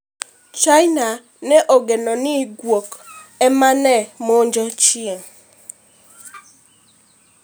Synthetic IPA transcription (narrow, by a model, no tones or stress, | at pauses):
t͡ʃajna | nɛʔɔɡenɔnɪɡwokɛmanɛmoɲd͡ʒɔt͡ʃɪeŋ